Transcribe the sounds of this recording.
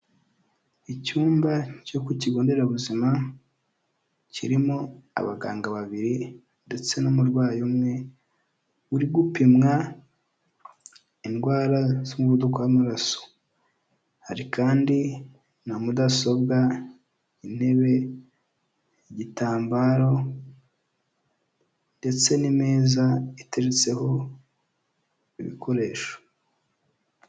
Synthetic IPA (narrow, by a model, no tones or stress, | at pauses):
icuːmbaco̞kuciɡo̞ːnde̞ɾaβuzima | cḭɾimoa̰βa̰ɡa̰ːŋɡaβaβiɾi | nde̞t͡se̞nomuɾɡwaːjomŋe̞ | uɾiɡupimŋa | inɡwaːɾazomuβudokoamaɾaso̥ | haɾikʰaːndi | namudaso̞bɡa | ine̞βe̞ | eɟitaːmbaːɾo̞ | nde̞t͡se̞nimeːzaiteɾet͡se̞ho̞ | iβḭkʰo̞ɾe̞ːʃo̥